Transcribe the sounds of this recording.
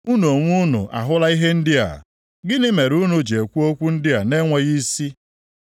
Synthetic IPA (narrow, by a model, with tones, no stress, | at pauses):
u˦no˨ŋʷu˦nʊ̰˨ʔa̰˨ɦʊ˦la˦i˦ɦe˦n̩˦dɪ˦a̰˨ | ɡɪ˦nɪ˦me˨ɾu˦nu˦d͡ʒe˨kʷu˦o˦kʷu˦n̩˦dɪ˦a˨ne˦ŋʷe˦ɣi˦si˦